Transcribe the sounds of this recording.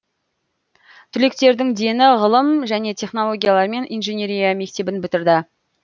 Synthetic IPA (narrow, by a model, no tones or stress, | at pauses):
t̪ʰʏle̞kt̪e̞ɾd̪ɪŋd̪e̞nɪʁəlˠəmʒæne̞t̪ʲʰe̞χno̞lˠo̞ɡʲijalˠɑɾme̞nʔijnʒenʲe̞ɾijame̞k̚t̪e̞bɪnbʏt̪ɪɾd̪ɪ